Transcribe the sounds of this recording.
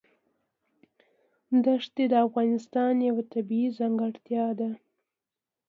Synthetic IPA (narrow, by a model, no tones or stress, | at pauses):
d̪aʂt̪ed̪əafɣɑnɪst̪ɑnjawat̪abiizaŋɡaɽt̪jɑd̪a